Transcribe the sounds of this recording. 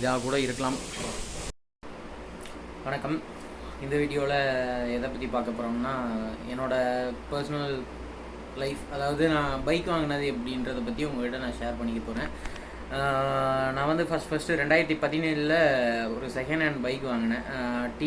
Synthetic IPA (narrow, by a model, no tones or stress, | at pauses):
ɪðaːkuːɽɐɪɾɯkːɐlaːm | ʋɐɳɐkːɐm | ɪnd̪ɐʋiːɽɪjoːlɐɛðɐpːɐt̪ːipaːɾkɐpːoːɾõːmnaːɛ̰nːoːɽɐpɐɾsɐnɐl | lɐɪfɐðaːʋɐðɯnãːbɐɪkːɯʋaːŋɡɐnɐðɯɛp̬ːɐɽɪnɾɐðɐp̬ɐt̪ːijʊŋɡɐʋɪʈːɐnãːʂeːɐɾpɐɳːɪkːɐpoːɾẽː | nãːʋɐnd̪ɯfɐsʈfɐsʈɯɾɛɳɖaːɪɾɐt̪ːipɐt̪ːɪneːɭlɐɔɾɯsɛkɐɳɖɐɳbɐɪkːɯʋaːŋɡɐnːɐʈi